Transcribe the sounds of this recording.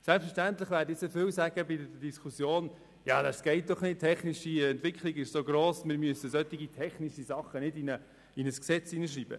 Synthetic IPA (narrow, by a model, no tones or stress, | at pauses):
sɛlpfəʃtænt̪lɪχʋæːɾdɪt͡sɛfɪwsæːɡ̥əbɪddədiskʰusjoːn | jɑːdasɡ̥ɛɪt̚d̥̪ɔχnɪt̚tʰɛχniʃiɛntʋɪkχliɡɪʃsoɡɾoːsmɪɾmyəsəsœt̪ːiɡitʰɛχniʃizɑχənɪdinə | inəsksɛt͡siːnəʃ̬riːb̥ə̰